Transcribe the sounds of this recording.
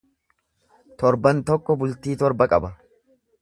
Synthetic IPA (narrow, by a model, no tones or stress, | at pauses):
t̪ɔɾbɐnt̪ɔkːɔbʊlt̪iːt̪ɔɾbɐkʼɐbɐ